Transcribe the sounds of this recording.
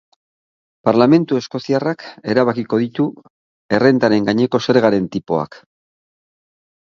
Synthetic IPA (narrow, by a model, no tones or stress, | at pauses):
paɾlame̞nt̪ue̞sko̞siarake̞ɾaβakiko̞ðit̪u | e̞re̞nd̪aɾe̞ŋɡaɲe̞ko̞se̞ɾɣaɾe̞nt̪ipo̞a̰k